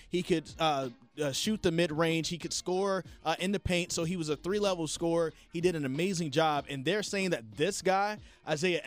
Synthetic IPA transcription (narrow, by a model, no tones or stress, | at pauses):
hikʰɨdʌ | ʌʃʉt̪̚ðɨmɪd̚ɹẽɪ̃nʒ̥hikɨd̥skɔɹʔʔɪ̃nɨpʰẽɪ̃ntsoʊiwʌzɨθɹilɛvl̩̥ˠskɔɹ | hidɨɾɨ̃nɨmeɪzɪ̃ŋd͡ʒɑbɨ̃nðə˞seɪɪ̃ŋðɨt̪̚ðɪsɡ̥aɪʔaɪzeɪɨʔ